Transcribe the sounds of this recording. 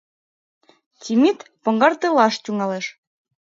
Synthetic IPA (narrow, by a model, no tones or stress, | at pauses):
tʲimit̪pɤ̆ŋɡɑrt̪elɑʃt̪ʲuŋɑleʃ